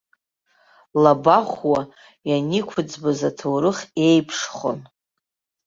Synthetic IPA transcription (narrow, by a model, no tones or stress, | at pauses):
labaχʷwa | janikʷʰʊd͡zbazatʰowɾɨχʲe̞jpʰʂχo̰n